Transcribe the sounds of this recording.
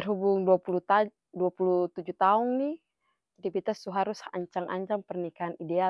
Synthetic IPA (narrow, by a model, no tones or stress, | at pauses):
ərɦubuŋduapulut̪ | duapulut̪ud͡ʒuht̪aʊŋni | t̪ipit̪ast̪uɦaɾʊsa̰ɲt͡ʃaŋʔa̰ɲd͡ʒaŋpərnikaanidea